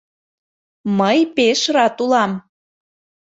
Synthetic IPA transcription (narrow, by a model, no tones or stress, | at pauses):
məjpeʃrɑt̪ulɑm